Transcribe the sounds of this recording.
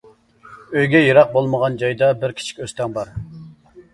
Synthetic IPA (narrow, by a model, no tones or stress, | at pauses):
øjɡʲɛjeɾɑq̚bolˠməʁɑnd͡ʒɑjd̪ɑbɪɾkʲʰi̥t͡ʃʰi̥kʲøst̪ɛŋbɑɾ